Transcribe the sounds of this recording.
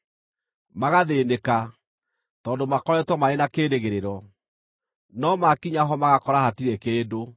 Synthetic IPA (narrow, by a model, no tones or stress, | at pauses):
maɣaðeːneka | tɔːndomakɔɾɛtwɔmaenakeːɾeɣeɾeɾɔ | nɔmakiɲaɦɔmaɣakɔɾahatiɾekeːdo